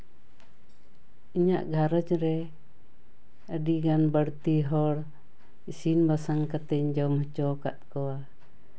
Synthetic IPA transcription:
iɲaʔɡʱaɾəd͡ʒɾɛ | əɖiɡanbəɽt̪iɦɔɽ | isinbasaŋkat̪ɛɲd͡ʒɔwmɦɔt͡ʃɔkat̪̚kɔwa

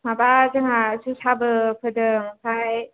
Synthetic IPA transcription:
mabazaŋasusʰabɯpʰɯdɯmapʰaj

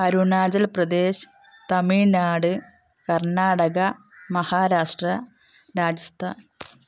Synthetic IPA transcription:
ɐɾuɳaːd͡ʑɐlprɐd̪eːɕ | t̪ɐmiɻnaːɽɨ | kɐrɳaːɽɐɣɐ | mɐhaːɾaːʂʈrɐ | ɾaːd͡ʑɐst̪ʰa̰ːn

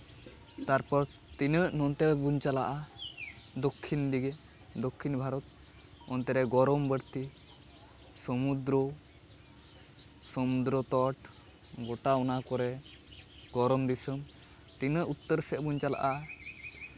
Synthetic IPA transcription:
t̪aɾpɔɾ | t̪inəʔnɔnt̪ɛbuɲt͡ʃalaʔa | d̪okʰːind̪iɡɛ | d̪okʰːinbʱaɾɔt̪̚ | ɔnt̪ɛɾɛɡɔɾɔmbəɾt̪i | sɔmud̪ɾɔ | sɔmud̪ɾɔt̪ɔʈ | ɡɔʈaɔnakɔɾɛ | ɡɔɾɔmd̪isəm | t̪inəʔut̪ːəɾsɛʔbuɲt͡ʃala̰ʔa

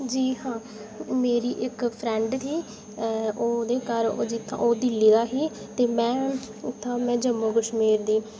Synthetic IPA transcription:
d͡ʒiːɦãː | meːɾiːʔɪkpʰɾɛ̃ːɳɖt̪iː | oːd̪eːkəɾo̰ːd͡ʒɪt̪ʰːã̰ːʔoːd̪ɪliːɡ̪aːɦiː | t̪eːmɛ̃ː | ɪt̪ʰːãːmɛ̃ːd͡ʒəmũːɡʊʃmiːɾd̪iː

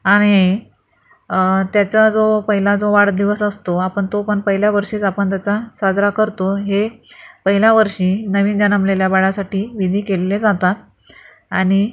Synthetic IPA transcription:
aɽ̃i | t̪jat͡sad͡zopəɦilad͡zoʋaɽd̪iʋəsəst̪oapəɳt̪opəɳpəɦiljaʋəɾʂiːt͡sapəɳt̪jat͡sasad͡zɾakəɾt̪oɦepəɦiljaʋəɾʂiːnəʋiːnd͡ʑənəmleljabaɽasaʈiːʋid̪ʱiːkeleled͡zat̪at̪̚ | aɽ̃i

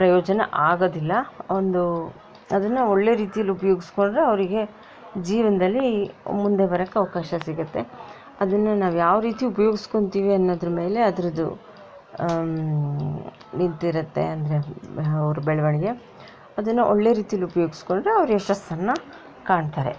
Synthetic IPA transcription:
pɾɐjoːd͡ʒɐnɐ̰ʔaːɡoːd̪ilːɐond̪u | ɐd̪ɐnːɐo̞ɭːe̞ɾiːt̪ijɐlːiupɐjoːɡisko̞ɳɖɾeɐʋɐɾiɡe̞ | d͡ʒiːʋɐnɐd̪ɐlːimund̪e̞bɐɾɐkːɐʋɐkaːʃɐsiɡɐt̪ːe̞ | ɐd̪ɐnːunaːʋjaːʋɾiːt̪iupɐjoːɡisko̞ɳt̪iːʋiɐnːoːd̪ɐɾɐme̞ːle̞ɐd̪ɐɾɐd̪ṵ | nint̪iɾɐt̪ːe̞̰ɐnd̪ɐɾe̞ɐʋɐɾubɛɭɐʋɐɳiɡe̞ | ɐd̪ɐnːuʔo̰ɭːe̞ɾiːt̪ijɐlːiupɐjoːɡisko̞ɳɖɾe̞ɐʋɾuɛʃɐst̪ːɐnːɐ | kaːɳɖt̪aːɾe̞̰

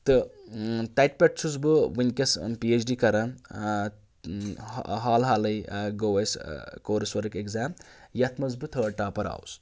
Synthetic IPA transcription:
t̪ɨ | t̪ɐjʈ̚pʲeʈ̚t͡sʰuzbɨʋɨnʲkɐspiet͡ʃʰɖikɐɾɐn | ɦaːlɦaːlɐjɡowɐjskoːɾɐswɐɾɐkekzaːmjɐt̪ʰmɐzbɨt̪ʰəːʈaːpɐɾa̰ːws

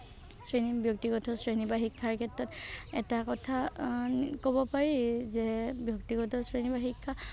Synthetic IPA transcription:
sɹenibjɔk̚tiɡɔtʰɔsɹenibaxikʰːaɹkʰɛtɹɔtɛ̰takɔtʰa | kobɔpaɹizɛbjɔk̚tiɡɔtʰɔsɹenibaɦikʰːa

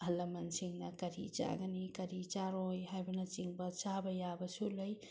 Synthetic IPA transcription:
ɐlɐmɐnsiŋnɐkɐɾḭt͡ʃa̰ɡɐnikɐɾit͡ʃaɾojɦajbɐnɐt͡ʃiŋbɐt͡ʃabɐjabɐsulɯj

